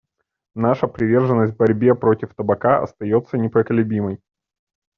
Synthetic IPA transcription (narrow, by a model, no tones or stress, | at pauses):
naʂəpɾʲɪvʲe̞rʐɨnːəsʲt̪ʲvbɐɾʲbʲe̞pɾo̞tʲɪft̪əbɐkaɐ̰st̪ɐjo̞t̪sːənʲɪpɾəkəlʲʉbʲiməj